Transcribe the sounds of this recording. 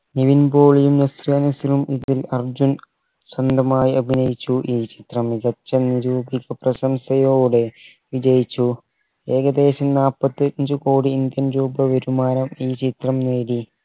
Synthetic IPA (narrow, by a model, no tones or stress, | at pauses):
niʋinboːɭejumnɐsrɐnɐsilumiðilɐrd͡ʑun | sɐnd̪ʱɐmaːjiʔɐbʱinɐjit͡ɕːuʔiːt͡ɕit̪rɐmiɡɐt͡ɕːɐniɾuːbiɣɐprɐɕɐmsɐjoːɽe̞ | ʋid͡ʑɐjit͡ɕːu | eːɡɐd̪e̞ːɕɐmnaːpːɐt̪ːiɾɐɲd͡ʑɨkoːɽiːnd̪jɐnɾuːbɐʋeɾumaːɾɐmiːt͡ɕit̪rɐmneːɽi